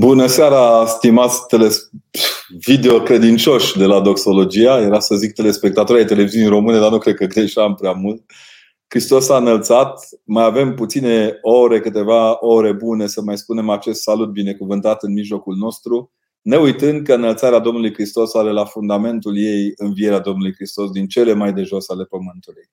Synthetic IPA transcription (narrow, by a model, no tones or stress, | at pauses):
bunəseaɾaːst̪imat̪sʲt̪e̞les | vid̪eokɾe̞d̪int͡ʃo̞ʃʲd̪e̞lad̪o̞kso̞lo̞d͡ʒiajeɾast̪əzzik̚t̪e̞le̞spe̞k̚t̪at̪oɾajt̪e̞le̞viziunijɾo̞mɨne̞d̪arnukɾe̞d̪̚kəɡɾeʃampɾeamult̪̚ | kɾist̪o̞saɨnəlt̪sat̪majave̞mput̪sine̞o̞ɾe̞kɨt̪e̞vao̞ɾe̞bune̞səmajspune̞mat͡ʃe̞st̪salut̪̚bine̞kuvɨnt̪at̪ɨnmiʒlo̞kulno̞st̪ɾu | ne̞ujt̪ɨnd̪̚kəɨnəlt̪saɾead̪o̞mnulujkɾist̪o̞saɾe̞lafund̪ame̞nt̪ulje̞jɨnvie̞ɾead̪o̞mnulujkɾist̪o̞sd̪int͡ʃe̞le̞majd̪e̞ʒo̞sale̞pəmɨnt̪uluj